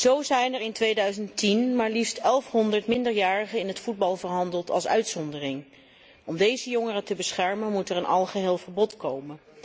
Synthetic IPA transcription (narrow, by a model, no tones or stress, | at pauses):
z̥owzɛjnɛɹɪntʋejdœɥzəntinmaːɹlifstɛlˠfɦɔndəɹtmɪndəɹjaːɹəχəɪnɦətfud̚bɑlˠvəɹɦɑndəlˠtɑ̰lˠsœ̰ɥtsɔndərɪŋ | ɔmdejzəjɔŋərətəbəsχɛɹmənmutɛɹənʔɑlˠχəɦeːlˠvəɹbɔtkowmən